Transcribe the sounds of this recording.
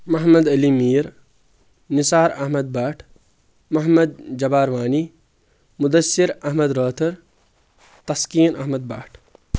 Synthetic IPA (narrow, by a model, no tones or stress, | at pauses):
mɐɦmɐd̪ɐlimiːɾ | nisaːɾɐ̰ɦmɐd̪̚baːʈʰ | mɐɦmɐd̪̚d͡ʒɐbaːɾʋaːni | mud̪ɐsːiɾɐɦmɐd̪ɾəːt̪ʰɐɾ | t̪ɐskiːnʔɐɦmɐd̪̚baːʈʰ